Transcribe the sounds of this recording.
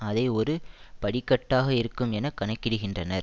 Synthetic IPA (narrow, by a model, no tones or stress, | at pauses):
ɐðɐɪɔɾɯpɐɽɪkːɐʈːaːɣɐɪɾɯkːɯmɛnɐkːɐɳɐkːɪɽɯɣɪndrɐnɐɾ